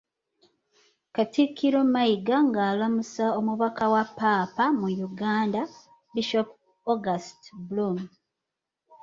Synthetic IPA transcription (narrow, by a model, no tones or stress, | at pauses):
katikʰːiɾomajiɡaŋɡaːlamusaomuβakawapːaːpamujuɡaːnda | biʃop | oɡastbulum